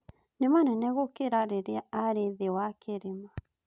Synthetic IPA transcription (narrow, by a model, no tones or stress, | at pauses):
nɪmanɛnɛɣokeɾaɾeɾeaaɾeðewakeɾema